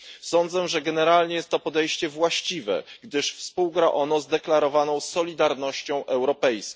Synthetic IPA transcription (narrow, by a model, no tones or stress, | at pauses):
sɔnd̪zɛʐɛɡɛnɛɾalɲɛjɛst̪ːɔpɔd̪ɛjɕt͡ɕɛvwaɕt͡ɕivɛ̰ɡd̪ɘʂfspuwɡɾaʔɔnɔzd̪ɛklaɾɔvanɔ̃w̃sɔlʲid̪aɾnɔɕt͡ɕɔ̃w̃ʔɛwɾɔpɛjsk